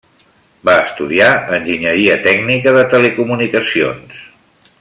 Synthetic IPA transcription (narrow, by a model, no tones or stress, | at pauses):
baəst̪uðiaənʲʒiɲəɾiət̪ɛɡnikəðət̪əlekumunikəsio̰ns